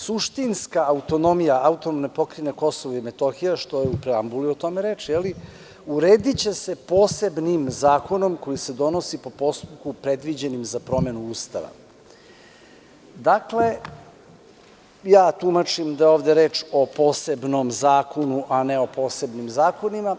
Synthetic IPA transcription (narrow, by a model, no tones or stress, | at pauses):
suʃt̪inskaːut̪o̞no̞mijaaut̪onomnepo̞kɾinekosoʋoimet̪o̞xijaʃt̪o̞jeupɾeambuliot̪o̞me̞ɾeːt͡ʃjeli | uɾeːd̪it͡ɕe̞se̞poːse̞bnimzaːko̞no̞mko̞jise̞d̪o̞no̞sipo̞po̞st̪up̚kupɾe̞d̪ʋid͡ʑe̞nimzapɾo̞me̞nuuːst̪a̰ʋa̰ | d̪akle̞ | jaːt̪umat͡ʃimd̪ajeoːʋd̪eɾe̞ːt͡ʃo̞po̞ːse̞bno̞mzaːko̞nuʔane̞o̞po̞ːse̞bnimzaːko̞nima